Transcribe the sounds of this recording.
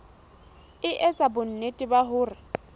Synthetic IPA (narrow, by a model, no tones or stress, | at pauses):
ɪʔɛt͡sʼabʊn̩netʼɪbaɦʊːrɪ